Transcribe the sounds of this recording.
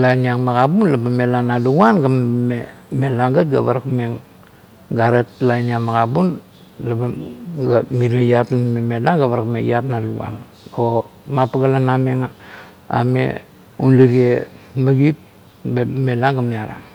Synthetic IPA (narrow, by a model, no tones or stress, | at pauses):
lajniaŋmakabunlabamelanaluɡuanɡammemelaŋɡat̚ɡaβaɾakmeŋ | ɡaɾetlajniaŋmaɡabun | labaɡamiɾejatlamamemelaŋɡaβaɾakmejatnaluɡa̰n | omapaɡalanameŋa | a̰mḛ | unliɾiemaɡip̚ | bemelaŋɡamiaɾa̰